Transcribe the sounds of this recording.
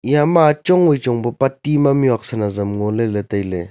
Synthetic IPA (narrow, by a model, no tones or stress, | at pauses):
jamat͡ʃɔŋojt͡ʃɔŋbɯpatimamjak̚sanazɐmŋoleletajle